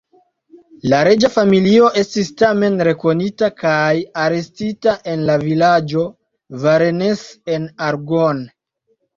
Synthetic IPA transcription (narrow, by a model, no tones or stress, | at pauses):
laɾe̞d͡ʒafamilio̞ʔe̞stistame̞nɾe̞ko̞nitakajaɾe̞stitaʔe̞nlavilad͡ʒo̞ | vaɾenese̞naɾɡon